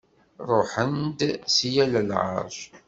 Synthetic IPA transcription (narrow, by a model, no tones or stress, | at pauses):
ɾˤoħənd̪sjæləlʕə̰ɾʃ